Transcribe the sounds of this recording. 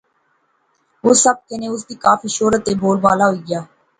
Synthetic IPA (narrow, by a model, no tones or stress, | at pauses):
ʊːsəb̚kɪnẽːʊs̬d̪iːkaːfʰiːʃoːɾət̪ːeːboːlbaːlaːɦoiːɡjaː